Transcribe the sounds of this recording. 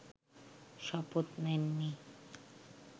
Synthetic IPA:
ʃɔpot̪nenːi

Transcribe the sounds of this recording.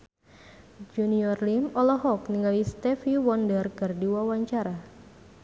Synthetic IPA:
d͡ʒuniɔrlimɔlɔɦɔkniŋawist̪ɛfiwɔndərkɨrdiwawaɲt͡ʃaɾa

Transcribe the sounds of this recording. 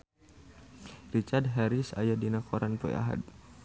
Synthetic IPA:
rit͡ʃardɦɛɾisa̰jadinakʰɔɾanpɔ̰j̰a̰ɦa̰d̪̚

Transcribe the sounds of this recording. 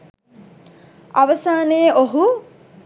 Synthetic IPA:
aʋəsaːneːoɦu

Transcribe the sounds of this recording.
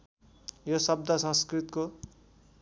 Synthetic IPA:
josʌb̚d̪ʱʌsʌ̃skrit̪ko

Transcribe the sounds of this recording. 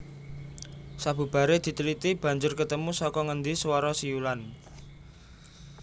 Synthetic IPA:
sab̥ṳb̥a̤ɾed̪̥i̤t̪ulit̪ib̥ä̤ɲd͡ʒʊrkət̪əmusɔkɔŋənd̪iswɔɾɔsijulan

